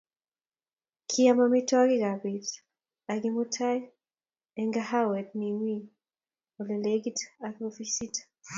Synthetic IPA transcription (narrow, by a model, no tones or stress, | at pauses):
kʰiamamitɔaɣiɡabit | aɡimutʰaj | ɛŋɡahawɛt̚niŋwi | ɔlɛleɡitakɔfisitḁ